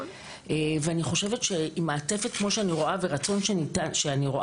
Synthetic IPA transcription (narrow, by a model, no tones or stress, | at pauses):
eveaniχo̞ʃe̞vetʃe̞imaːte̞fet̚kmo̞ʃeaniʁo̞aveʁat͡so̞nʃenitanʃeaniʁo̞ʔ